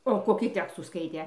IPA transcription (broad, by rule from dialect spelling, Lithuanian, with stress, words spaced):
oː koːˈkʲiː ˈtʲæːkstuː ˈskɐɪtʲeː